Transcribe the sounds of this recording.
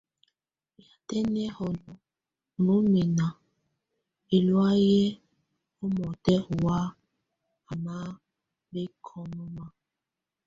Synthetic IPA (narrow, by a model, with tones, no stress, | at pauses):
ja˨tɛ˦ni˦ɛ˦hɔ˨nɔ˨ | nu˨˦me˨na˨ | i˨lu˦a˦je˦ | o˦mɔ˨tɛ˦u˨wa˦ | a˨ma˦ | be˦kʰɔ˦nɔ˦ma˦